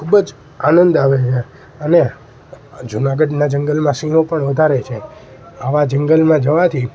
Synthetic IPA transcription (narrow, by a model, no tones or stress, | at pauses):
kʰubəd͡ʒ | anənd̪aʋet͡ʃʰe | əne | d͡ʒunaɡəɖnad͡ʒəŋɡəlmãsinõpəɳʋəd̪ʱaɾet͡ʃʰe | aʋad͡ʒəŋɡəlmãd͡ʒəʋat̪ʰi